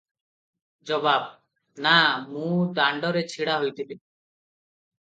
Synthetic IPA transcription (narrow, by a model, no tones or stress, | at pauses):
d͡ʒɔbab̚ | namũd̪aɳɖɔɾet͡ʃʰiɽaɦojt̪ʰili